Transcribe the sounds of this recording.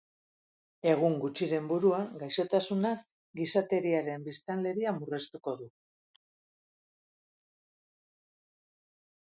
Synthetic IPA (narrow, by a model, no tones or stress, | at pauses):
e̞ɣ̞uŋɡut͡ʃiɾe̞mbuɾuaŋɡajʃo̞t̪asuna | ɡisat̪e̞ɾiaɾe̞mbist̪anle̞ɾiamure̞st̪uko̞ðu